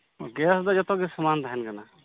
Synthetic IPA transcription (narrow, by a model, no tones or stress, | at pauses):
ɔɡɛsd̪ɔd͡ʒɔt̪ɔɡɛsəmant̪aɦɛnkana